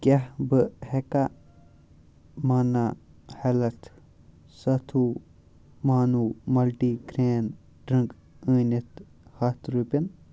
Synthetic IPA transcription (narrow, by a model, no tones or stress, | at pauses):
kʲɐɦbɨheka | mɐna | hɐlɐt̪ʰ | sɐt̪ʰu | maːnuːmɐlʈiɡɾeːn | ɖɾɐ̃ŋk | əːnɐt̪ | hɐt̪ʰɾupʲɐn